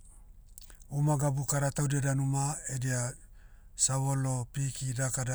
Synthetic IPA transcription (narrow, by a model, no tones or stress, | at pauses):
umaɡabukaɾatawdiadanumaedia | saβolopikidakada